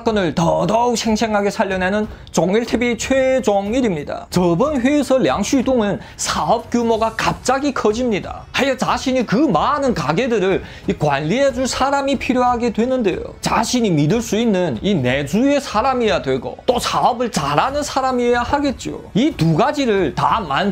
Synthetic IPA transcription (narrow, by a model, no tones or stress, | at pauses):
k͈ʌnɯɭtʌdʌuk̚sʰe̞ŋsʰe̞ŋɦaɡe̞sʰaʎːʌnenɯn | t͡ɕoŋiɭtʰebit͡ɕʰwed͡ʑoŋiɾimɲida̰t͡ɕʌbɯnɸeːsʰʌlja̰ŋɕʰudoŋɯn | sʰaʌp̚k͈jumoɡakap̚t͡ɕ͈aɡikʰʌd͡ʑimɲida̰ | hajʌt͡ɕaɕʰiɲikɯmanɯnkaɡe̞dɯɾɯɭ | ikwanːiɦe̞d͡ʑuɭsʰaɾamipʰiɾjoɦaɡe̞dwe̞nɯnde̞̰jo̰t͡ɕa̰ɕʰiɲimidɯɭs͈uinːɯnine̞d͡ʑue̞sʰaɾamijadwe̞ɡo̰t͈osʰaʌbɯɭt͡ɕaɾanɯnsʰaɾamijahaɡe̞t̚t͡ɕ͈o̰ituɡad͡ʑiɾɯɭtaman